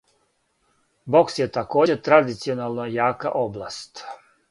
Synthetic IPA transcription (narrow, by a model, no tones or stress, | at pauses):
bo̞ksjet̪ako̞ːd͡ʑet̪ɾad̪it̪sionalˠnojaːka̰ʔoblˠast̪